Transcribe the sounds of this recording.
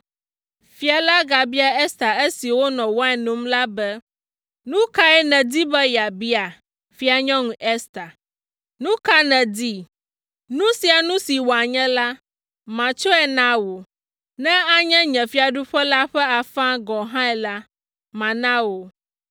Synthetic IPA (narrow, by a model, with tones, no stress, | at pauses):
fi˨a˨la˦ɡa˨bi˦a˨ɛ˦st̪a˨e˦si˨wo˦nɔ̃˨wɔ˦ɛ˨nõ˦mla˦bɛ˦ | nũ˦ka˦ɛ˨nɛ̃˨d̪i˦bɛ˦ja˨bi˦a˨ | fi˦a˨ɲɔ̃˦ŋũ˨ʔɛ˦st̪a˨ | nũ˦ka˦nɛ̃˨d̪i˦ | nũ˦si˨a˨nũ˦si˨wo˨a˨ɲɛ̃˦la˦ | mã˨t͡ʃɔ˦ɛ˨nã˦wo˨ | nɛ̃˦a˦ɲɛ̃˦ɲɛ̃˨fi˦a˨ɖu˦ɸɛ˦la˦ɸɛ˦a˨fã˦ɡɔ̃˨ɦã˦ɛ˨la˦ | mã˨nã˦wo˨